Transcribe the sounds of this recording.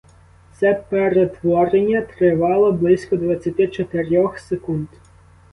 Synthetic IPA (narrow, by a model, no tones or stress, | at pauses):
t̪sɛpeɾet̪ʋɔɾenʲːɐt̪ɾɪʋɑlˠɔblˠɪsʲkɔd̪ʋɐt͡sʲːɐt̪ʲit͡ʃɔt̪ɪɾʲɔxsekunt̪